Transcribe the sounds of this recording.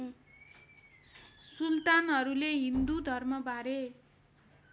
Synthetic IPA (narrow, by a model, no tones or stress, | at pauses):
sult̪anɦʌɾuleɦind̪ud̪ʱʌrmʌbaɾe